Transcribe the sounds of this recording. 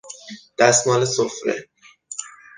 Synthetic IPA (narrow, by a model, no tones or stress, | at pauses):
d̪̥æsmɒːlesofɾḛ